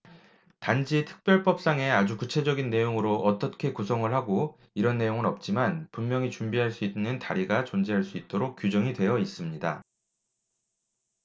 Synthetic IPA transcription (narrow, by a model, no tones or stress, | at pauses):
tand͡ʑitʰɯ̥k̚p͈jʌɭp͈ʌp̚s͈aŋe̞ad͡ʑukut͡ɕʰe̞d͡ʑʌɡinːe̞joŋɯɾoʔʌt͈ʌkʰe̞kusʰʌŋɯɭhaɡo | iɾʌnːe̞joŋɯɾʌp̚t͡ɕ͈imanpunmjʌŋit͡ɕumbiɦaɭs͈uitnɯntaɾiɡat͡ɕʌnd͡ʑiɦaɭs͈uit̚t͈oɾok̚k͈jud͡ʑʌŋidwe̞jʌis͈ɯmɲida